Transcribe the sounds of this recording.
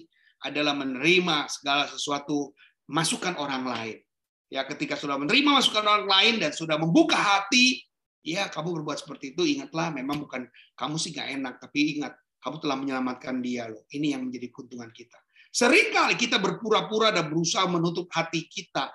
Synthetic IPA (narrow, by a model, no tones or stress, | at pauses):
ʔa̰dalahmənəɾimasə̥ɡalasəsuat̪u | masukanoɾaŋlaɪn | jakət̪ikasudahmənəɾimamasukanoɾaŋlaɪndansudahməmbukaɦat̪i | jakamubərbuat̪sə̥pərt̪iːt̪uiŋat̪̚lahmemaŋbukan | kamusɪhŋɡa̰ʔenak̚t̪apiːŋat̪̚ | kamut̪əlahməɲəlamat̪̚kandialohinijaŋməɲd͡ʒadikunt̪uŋankit̪a | səɾiŋkalikit̪abərpuɾapuɾadanbəɾusaɦmənut̪̬ʊp̚hat̪ikit̪a